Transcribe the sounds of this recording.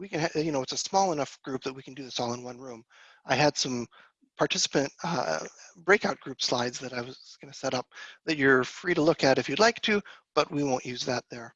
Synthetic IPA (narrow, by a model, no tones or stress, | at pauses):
wikɨ̃njɨñoʊɨtsəsmɔlˠənʌfɡ̥ɹʉp̚ðɨt̚wikn̩dɨðɪsɔlˠə̃nwʌ̃nɹʉ̃m | ʔaɪɨd̥sʌ̃m | pʰɑɹtʰɪsə̥pɨ̃nt̚ | b̥ɹeɪkaʊt̚ɡ̥ɹʉpslaɪdzðɨɾaɪwʌzɡ̥ʌnɨsɛɾʌp̚ðɨt͡ʃə˞fɹiɾəlʊkɨɾɨfjɨdˡlaɪk̚tʰʉb̥ʌt̚wiwõʊ̃nʔjʉzðɨt̪̚ðə˞